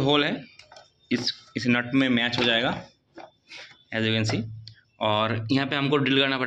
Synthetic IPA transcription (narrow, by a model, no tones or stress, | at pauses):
ɦoːlɦɛ | ɪsɪsnɐʈmẽmɛːt͡ʃɦod͡ʒaːeːɡaː | ɛzɪɡə̃nsi | ɔːɾjɐɦãpeɦɐmkoɖɾɪlkɐɾnapɐɾ